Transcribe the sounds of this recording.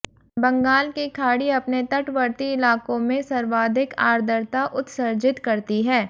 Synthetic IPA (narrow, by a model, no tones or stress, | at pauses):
bɐ̃ŋɡaːlkikʰaːɽiɐpnet̪ɐʈʋəɾt̪iɪlaːkõmẽsɐɾʋaːd̪ʱɪka̰ːɾd̪ʱəɾt̪aʔʊt̪səɾd͡ʒɪt̪kɐɾt̪iɦɛː